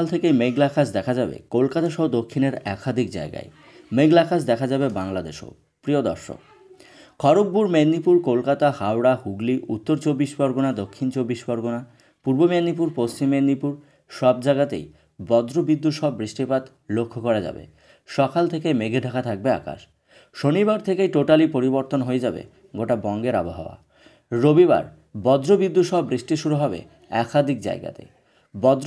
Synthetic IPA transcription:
lt̪ʰekejmeɡlakʰasd̪ɛkʰad͡ʑabḛkolkat̪aʃɔɦod̪okʰːineɾɛkʰad̪ʱik̚d͡ʑa̰eɡa̰e | meɡlakʰas̬d̪ɛkʰad͡ʑabebaŋlad̪ḛʃo̰ | pɾiod̪ɔɾʃo̰k̚ | kʰɔɾok̚buɾmenːipuɾkolkat̪ahawɽahuɡliʔut̪ːoɾt͡ɕobːiʃbɔɾɡonad̪okʰːint͡ɕobːiʃbɔɾɡona | puɾbomenːip̬uɾpost͡ɕimːenːipuɾ | ʃɔbd͡ʑaɡat̪ḛj | bɔd̪ɾobid̪ːutʃɔbbɾiʃʈipat̪ | lokʰːokɔɾad͡ʑa̰bḛ | ʃɔkalt̪ʰekemeɡʱeɖʱakat̪ʰak̚bea̰ka̰ʃ | ʃonibaɾt̪ʰekejʈoʈalipoɾiboɾt̪onɦoed͡ʑabḛ | ɡoʈabɔŋɡeɾa̰boɦa̰oa̰ | ɾobiba̰ɾ | bɔd̪ɾobid̪ːut̪ʃɔbɾiʃʈiʃuɾuɦɔbḛ | ɛkad̪ʱik̚d͡ʑa̰eɡa̰t̪ḛ | bɔd̪ɾ

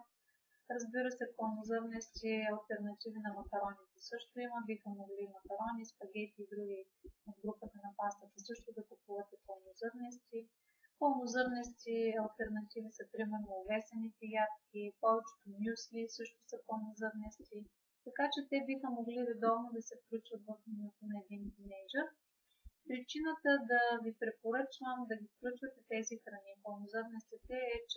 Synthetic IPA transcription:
ɾɐzbiɾəsɛpɐlˠnozɤɾnɛst̪iɐlˠt̪ɛɾnɐt̪ivinɐmɐkɐɾɔnit̪ɛsɤʃt̪ʊiməbixəmoɡlimɐkɐɾɔnʲispɐɡʲɛt̪iːɡ̪ɾuɡi | od̪ɡɾupət̪ɐnɐpast̪ət̪ɐsɤʃt̪ʊd̪ɐkupuvət̪ɛpolˠnozɤɾnɛst̪i | polˠnozɤɾnɛst̪iɐlˠt̪ɛɾnɐt̪ivisɐpɾimɛɾnoːvɛsɛnit̪ɛjat̪kʲipɔvɛt͡ʃɛ̥t̪onʲjuslisɤʃt̪ʊsɐponozɤɾnɛst̪i | t̪ɐkat͡ʃɛt̪ɛbixəmoɡliɾɛd̪ɔvnod̪ɐsɛfklʲut͡ʃvət̪vɐfnnot̪onɐɛd̪int̪inɛʒəɾ | pɾit͡ʃinət̪əd̪ɐvʲipɾɛpoɾɤt͡ʃvəmd̪ɐɡʲifklʲut͡ʃvɐt̪ɛt̪ɛzixɾɐnipolˠnozɤɾnɛst̪ɛt̪ɛɛt͡ʃ

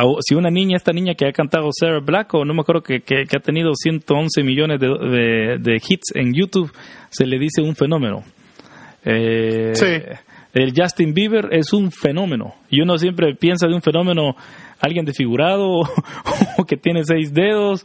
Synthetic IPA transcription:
asiunanĩɲaest̪anĩɲakeakant̪aðoseɾaβlakonomeakweɾðokekekeat̪e̞nið̞osje̞nt̪oonse̞miʝo̞ne̞zðeðed̪exit̪sḛŋjut̪uβse̞le̞ðise̞uɱfe̞nõ̞mẽ̞no̰ | esield͡ʒast̪imbiβe̞ɾe̞suɱfe̞no̞mẽ̞no̰ʝonos̬je̞mp̬ɾe̞pje̞ns̬aðuɱfe̞no̞me̞no̞alɣje̞nd̪esfiɣuɾað̞o | oke̞t̪je̞nes̬e̞jzd̪e̞ðo̞s

